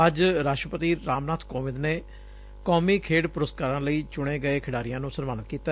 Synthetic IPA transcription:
əd͡ʒɾaːʃʈɾəpət̪iːɾaːmnaːt̪ʰkɔːʋɪd̪neː | kɔːmiːkʰeːɽpʊɾəskaːɾãːləiːt͡ʃʊɽ̃eːɡəeːkʰɪɽaːɾɪjãːnũːsəɾʋaːnət̪̚kiːt̪a

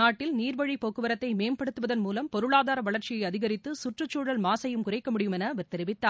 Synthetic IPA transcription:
aːʈːɪlniːɾbɐɻipoːkːɯʋɐɾɐt̪ːɐɪmeːmpɐɽɯt̪ːɯʋɐðɐnmuːlɐmpɔɾɯɭaːðaːɾɐʋɐɭɐɾt͡ʃɪjɐɪɐðɪɣɐɾɪt̪ːɯsʊʈrɯt͡ʃːuːɻɐlmaːsɐjɯmkʊrɐɪkːɐmʊɽɪjɯmɛnɐʋɪɾt̪ːɛɾɪʋɪt̪ːaː

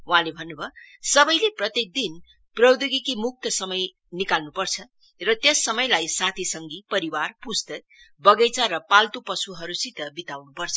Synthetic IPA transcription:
uɦãlebʱʌnːubʱʌsʌbʌjleprʌt̪jek̚d̪in | prʌwd̪uɡikimuk̚t̪ʌsʌmʌj | nikalnupʌrt͡sʰʌ | rʌt̪jesːʌmʌjlajsat̪ʰisʌŋɡipʌɾiwarpust̪ʌk̚ | bʌɡet͡saɾʌpalt̪upʌsuɦʌɾusit̪ʌbit̪awnupʌrt͡sʰʌ̥

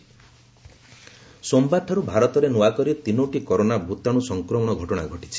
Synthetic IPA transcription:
sombat̪ʰaɾubʱaɾɔt̪ɔɾenuakɔɾit̪inoʈikɔɾonabʱut̪aɽ̃usɔŋkɾɔmɔɽ̃ɔɡʱɔʈɔɽ̃a̰ɡʱɔʈi̥t͡ʃʰi̥

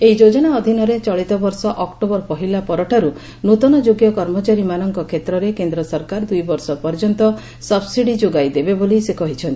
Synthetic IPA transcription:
eɦid͡ʒod͡ʒɔɽ̃aɔd̪ʱinɔɾet͡ʃɔɭit̪ɔbɔɾsɔʔɔkʈobɔɾpɔɦilapɔɾɔʈʰaɾu | not̪ɔnɔd͡ʒoɡjɔkɔɾmɔt͡ʃaɾimanɔŋkɔkʰet̪ɾɔɾekend̪ɾɔsɔɾkaɾd̪ujbɔɾsɔpɔɾd͡ʒɔnt̪ɔ | sɔbsiɽid͡ʒoɡajd̪ebebolisekɔɦit͡ʃʰɔnt̪i

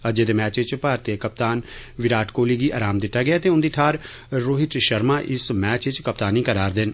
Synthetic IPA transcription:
əd͡ʒeːd̪eːmɛːt͡ʃɪt͡ʃpaːɾt̪ekəp̚t̪aːnʋɪɾaːʈʰkoːliːɡiːʔa̰ːɾaːmd̪ɪt̪ːaːɡɛjaːt̪eːʊnd̪iːʈʰaːɾ | ɾoːɦɪt͡ʃʃəɾmaːʔɪsmɛːt͡ʃɪt͡ʃkəp̚t̪aːniːkəɾaːɾd̪ɪn

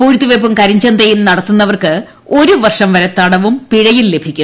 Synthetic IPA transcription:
puːɻit̪ːuʋep̬ːumkɐɾiɲd͡ʑɐnd̪ɐjilnɐɽɐt̪ːunːɐʋɐrkɨ | o̞ɾuʋɐrʂɐmʋɐɾet̪ɐɽɐʋumpiɻɐjille̞bʱikʲːu

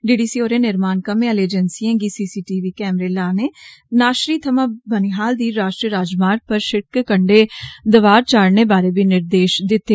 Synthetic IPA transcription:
d͡ʒeːɽiːsiːoːɾẽːnɪɾmaːnkəmẽaleːd͡ʒənsiãːɡiːsiːsiːʈiːʋiːkɛːmɾeːlaːneːnaːʃɾiːt̪ʰəmãːbəniːɦaːld̪iːɾaːʃʈɾiəɾaːd͡ʒmaːɾpəɾʃɪkkəɳɖeːd̪əʋaːɾt͡ʃaːɽneːbaːɾeːbiːnɪɾd̪eːʃd̪ɪt̪ːeː

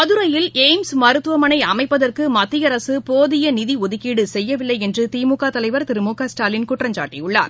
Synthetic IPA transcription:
mɐðɯɾɐjɪleːmsmɐɾɯt̪ːɯʋɐmɐnɐɪɐmɐɪpːɐðɐrkɯmɐt̪ːɪjɐɾɐsɯpoːðɪjɐnɪðiɔðɯkiːɽɯsɛjːɐʋɪlːɐɪɛndrɯt̪iːmukaːt̪ɐlɐɪʋɐɾt̪ɪɾɯmuːkaːsʈaːlɪnkʊʈrɐɲd͡ʒa̰ːʈːijʊɭːa̰ːɾ

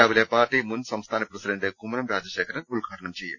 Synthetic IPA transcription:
aːʋɐleːpaːɾʈiːmund̪sɐmst̪ʰaːnɐpɾɐsid̪ɐnd̪eːkumɾɐmɾaːd͡ʒɐʃɛːkʰɐɾɐulkaːɾɐɳɐmt͡ʃeːjɐ̰m

